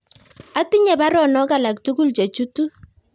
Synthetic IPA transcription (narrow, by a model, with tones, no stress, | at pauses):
a˦ti˦ɲɛ˨ba˦ɾɔ˦˨nɔ˦ka˦˨la˨k̚tu˦ku˦lt͡ʃe˨t͡ʃu˦tu˦